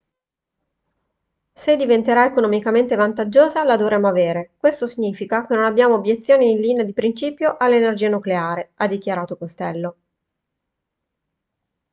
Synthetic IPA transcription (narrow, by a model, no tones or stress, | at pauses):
sed̪ːivent̪eɾaekonomikament̪evant̪ad͡ʒːoːzalad̪ovɾeːmːoaveːɾekwest̪osiɲːiːfikakenːonabːjaːmoːbjet̪sːjoːniːnliːnead̪ipɾint͡ʃiːpjoʔalːenerd͡ʒiːanukleaːɾead̪ːik̟jaɾaːt̪okost̪ɛlːo